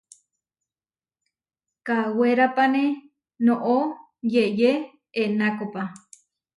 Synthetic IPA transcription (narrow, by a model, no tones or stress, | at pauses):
kaweɾapane | noʔo | jeʔje | enakopa